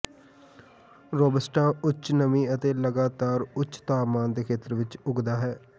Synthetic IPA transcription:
ɾoːbəsʈãːʊt͡ʃnəmĩːət̪eːləɡaːt̪aːɾʊt͡ʃt̪aːmaːnd̪eːkʰeːt̪əɾʋɪt͡ʃʊɡd̪aːɦɛː

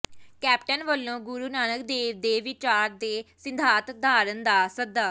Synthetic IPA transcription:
kɛːpʈənʋəlːõːɡʊɾuːnaːnək̚d̪eːʋd̪eːʋɪt͡ʃaːɾd̪eːsɪnd̪ʱaːt̪d̪ʱaːɾənd̪aːsəd̪ːaː

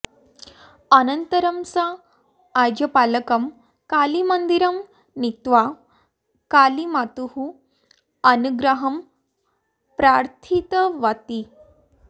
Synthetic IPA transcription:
ənənt̪əɾəmsaː | jd͡ʑɐpaləkɐm | kalimənd̪iɾɐm | nit̪ʋa | kalimat̪uɦu | ənuɡɾəɦɐm | pɾaɾt̪ʰit̪əʋat̪i

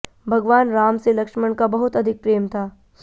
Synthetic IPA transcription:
bʱɐɡʋaːnɾaːmselɐkʃməɳkabɐɦʊt̪ɐd̪ʱɪk̚pɾeːmt̪ʰaː

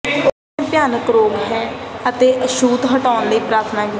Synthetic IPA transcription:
pjaːnəkɾoːɡɦɛ̃ːət̪eːʔəʃuːd̪ɦəʈaːnləiːpɾaːɾt̪ʰnaːkɪ

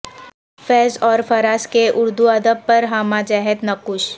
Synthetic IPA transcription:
fɛːzɔːɾfɐɾaːskeʔʊɾd̪uɐd̪əb̚pɐɾɦamad͡ʒɛːɦɛt̪nɐkʊʃ

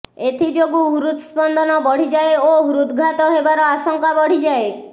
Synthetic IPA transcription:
et̪ʰid͡ʒoɡuɦuɾut̪spɔnd̪ʱɔnɔbɔɽ̤id͡ʒaeoɦuɾut̪ɡʱat̪ɔɦebaɾɔasɔŋkabɔɽ̤id͡ʒae

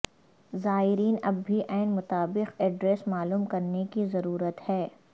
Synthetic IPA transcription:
zaːɦɪɾiːnɐbːʱiʔɛːɪnmʊt̪aːbɪqɛɖɾeːsmaːluːmkɐɾnekizɐɾuːɾət̪hɛː

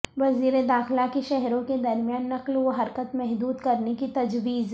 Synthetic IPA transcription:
ʋɐziːɾed̪aːxlakeʃɛɦɾõked̪ɐɾmijaːnːɐqlʋoɦɐɾkət̪mɛɦd̪uːd̪kɐɾnekit̪ɐd͡ʒʋiːz

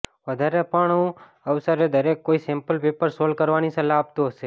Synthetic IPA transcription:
ʋəd̪ʱaɾepəɳũ | əʋsəɾed̪əɾekːoːisẽmpəlpeːpəɾsoːlkəɾʋanisẽlaːb̚t̪ose

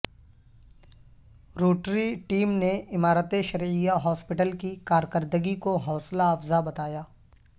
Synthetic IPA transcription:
ɾuːʈɾiʈiːmneɪmaːɾət̪eʃɐɾijaɦɔːspɪʈəlkikaːɾkəɾd̪əɡikoɦɔːslaːfzabɐt̪aːjaː

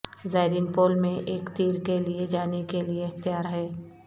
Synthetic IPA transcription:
zaːɾɪnpoːlmẽʔeːkt̪iːɾkelied͡ʒaːnekelieɐxt̪ijaːɾɦɛː

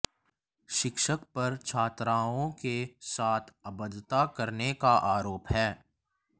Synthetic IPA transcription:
ʃɪkʃəkpɐɾt͡ʃʰaːt̪ɾaːõkesaːt̪ʰɐbəd̪t̪akɐɾnekaʔaːɾoːpɦɛː

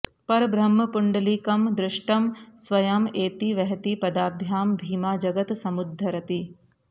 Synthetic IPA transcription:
pɐɾɐbɾɐmːɐpuɳɖɐliːkɐmd̪ɾɪʂʈɐmsʋɐjɐmeːt̪iʋɐɦɐt̪ipɐd̪aːbʱjaːmbʱiːmaːd͡ʒɐɡɐt̪sɐmud̪ʱːɐɾɐt̪i

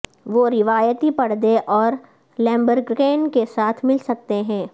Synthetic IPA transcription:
ʋoːɾɪʋaːjət̪ipɐɽ̤d̪eʔɔːɾ | lɛ̃ːmbəɾɡkeːnkesaːt̪ʰmɪlsɐk̚t̪eɦɛ̃ː

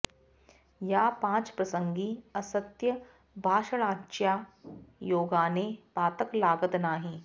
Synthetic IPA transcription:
jaːpãːt͡ʃpɾɐsə̃ŋɡiːɐsət̪jə | bʱaːʃəɭãːt͡ʃjaːjoːɡaːnepaːt̪əklaːɡət̪naːɦĩː

